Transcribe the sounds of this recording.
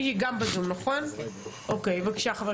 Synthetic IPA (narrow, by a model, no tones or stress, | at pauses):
hiɡambazumnaχonʔokejvakʃeaχave